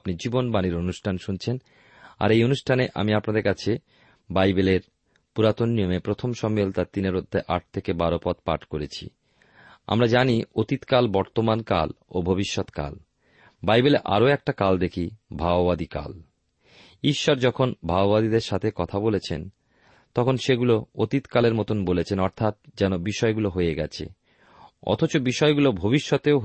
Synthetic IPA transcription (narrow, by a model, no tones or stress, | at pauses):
pnid͡ʑibonbaniɾonuʃʈʰanʃunt͡ɕʰen | a̰ɾejonuʃʈʰaneʔa̰miapnad̪eɾkat͡ɕʰe | bajbeleɾ | puɾat̪onːijomepɾot̪ʰomʃɔmelt̪at̪ineɾod̪ʱːeʔaʈ̚t̪ʰekebaɾopɔt̪̚pa̰ʈkoɾet͡ɕʰḭ | a̰mɾad͡ʑaniot̪it̪kalbɔɾt̪omanka̰lobʱobiʃːot̪ka̰l | bajbeleʔa̰ɾoɛk̚ʈakald̪ekʰibʱabobad̪ika̰l | iʃːɔɾd͡ʑɔkʰonbʱabobad̪id̪eɾʃat̪ʰekɔt̪ʰabolet͡ɕʰen | t̪ɔkʰonʃeɡuloot̪it̪kaleɾmɔt̪onbolet͡ɕʰenɔɾt̪ʰat̪̚d͡ʑɛnobiʃɔeɡuloɦojeɡɛt͡ɕʰḛ | ɔ̰t̪ʰot͡ɕobiʃɔeɡulobʱobiʃːot̪eoɦ